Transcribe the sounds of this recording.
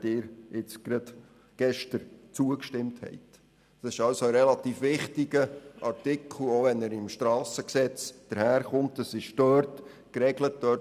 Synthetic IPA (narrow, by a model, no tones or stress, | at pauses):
d̥ɪːɾɪt͡sɡ̥ɾɑd̥ | ɡ̥ɛʃtəɾt͡suəkʃtɪmthɛ̰ɪt | ɑsɪʃɑlsoəɾɛlɑt̪iːfʋɪχtɪɡəʔɑɾtɪkʰl̩oʋɛnæɾɪmʃtɾɑːsəksɛt͡sd̥əɾhæːɾχʊmtəsɪʃd̥œːɾt | kɾɛɡlət̚d̥œː